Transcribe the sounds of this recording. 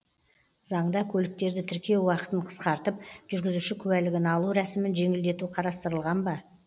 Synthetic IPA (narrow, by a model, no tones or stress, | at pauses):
zɑɴd̪ɑkʲʰɵlɪk̚t̪e̞ɾd̪ɪt̪ʰɪɾkʲewɑqə̥t̪əɴqʰə̥sqɑɾt̪əp̚ʒ̥ʏɾɡʲɪzuʃɪkʲʰʉwælɪɡʲɪnɑlˠuɾæsɪmɪnʒe̞ŋɪld̪e̞t̪uqʰɑɾɑst̪əɾəlˠʁɑnbɑ